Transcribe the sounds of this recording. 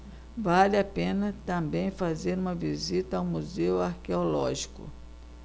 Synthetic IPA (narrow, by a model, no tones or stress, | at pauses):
valɪapẽnɐt̪ɐ̃mbẽj̃fazeɾũmɐvizit̪ɐawmuzewaɾkeolɔʒikʊ̰